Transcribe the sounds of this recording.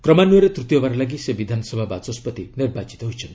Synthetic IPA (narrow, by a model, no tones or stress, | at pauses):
kɾɔmanueɾet̪ɾut̪jɔbaɾɔlaɡisebid̪ʱanɔsɔbʱabat͡ʃɔspɔt̪iniɾbat͡ʃi̥t̪ɔɦujt͡ʃʰɔn